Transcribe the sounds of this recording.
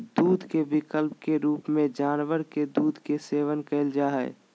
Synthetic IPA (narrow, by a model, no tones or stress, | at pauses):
d̪uːd̪ʱkebɪkəlp̚keɾuːpmẽd͡ʒaːnʋəɾked̪uːd̪ʱkeseːʋənkəɪld͡ʒaːɦɛ̰